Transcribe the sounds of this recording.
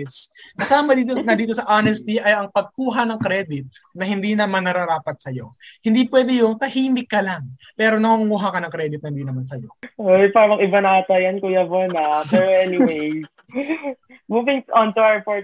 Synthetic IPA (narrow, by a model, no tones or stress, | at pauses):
skɐsaːmɐd̪iːt̪onɐd̪iːt̪o̞sɐʔanɛst̪iʔɐjɐŋpɐɡ̚kuːɦɐnɐŋkɾɛːd̪ɪt̪̚nɐhɪnd̪inɐmaɐnːɐɾɐɾaːpɐt̪̚sɐjo̞̰hɪnd̪ipwɛːd̪ɛjʊŋt̪ɐhiːmɪkːɐlaŋpɛːɾo̞nɐkuŋuːɦakɐnɐŋkɾɛːd̪ɪt̪nɐhɪnd̪iːnɐmansɐjo̞̰ojpaɾɐmɐŋɪbanaːt̪ɐjɐnkʊjavonabɛɹɛniwej | muːvɪŋʔɔnt̪uafɔɹ